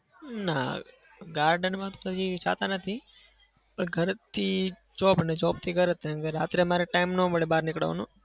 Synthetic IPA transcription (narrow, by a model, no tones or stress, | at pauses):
na̰ | ɡaːɾɖənmãt̪oəd͡ʒit͡ʃʰa̰ːt̪anət̪ʰi | pəɳɡʱəɾt̪ʰi | t͡ʃɔːpənet͡ʃɔːp̚t̪ʰiɡʱəɾət̪eɡəɾaːt̪ɾemaːɾeʈaːɪmnõːməɽeɓaːɾnɪkɽə̰ʋ̰nõː